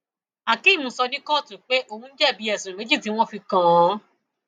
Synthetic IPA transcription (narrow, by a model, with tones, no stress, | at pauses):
a˨ki˦˨mũ˧˦sɔ˧nĩ˦kɔ˦˨tũ˨k͡pe˦ʔo˧˨hũ˧n̩˦d͡ʒɛ˦˨bi˨˦ɛ˦˨sĩ˨me˨˦d͡ʒi˦˨ti˨˦w̃ɔ̃˦fi˧kã˧˨˦